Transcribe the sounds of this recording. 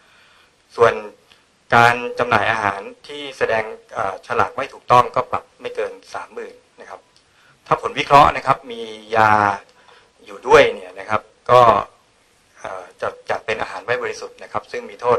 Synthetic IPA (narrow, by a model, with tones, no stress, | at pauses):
su˨˩ən | kaː˧nt͡ɕa˧mnaː˨˩jʔaː˧ɦaː˩˦nt̪ʰiː˥˩sa˧dɛː˧ŋʔəː˨˩t͡ɕʰa˧laː˨˩t̪̚ma˥˩jt̪ʰuː˨˩k̚t̪ɔ˥˩ŋkɔː˥˩pla˨˩p̚ma˥˩jkɤː˧nsaː˩˦mːɯː˨˩nːa˦˥kʰa˦˥p̚ | t̪ʰaː˥˩pʰo˩˦nwi˦˥kʰɾɔ˦˥ʔna˦˥kʰa˦˥p̚miː˧jaː˧ | juː˨˩du˥˩əjni˥˩ɐna˦˥kʰa˦˥p̚kɔː˥˩ | ʔɤː˨˩t͡ɕa˨˩ʔt͡ɕa˨˩pe˧nʔaː˧ɦaː˩˦nwa˥˩jbɔː˧ɾi˧su˨˩t̪̚na˦˥kʰa˦˥p̚sɯ˥˩ŋmiː˧t̪ʰoː˥˩t̪̚